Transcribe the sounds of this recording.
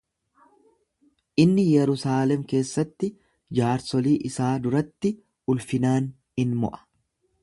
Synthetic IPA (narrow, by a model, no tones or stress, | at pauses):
ʔɪnːɪjɛɾʊsaːlɛmke̞ːsːɐt̪ːɪ | d͡ʒaːɾsɔliːʔɪsaːd̪ʊɾɐt̪ːɪ | ʊlfɪnaːn | hɪnmɔ̰ʔɐ̥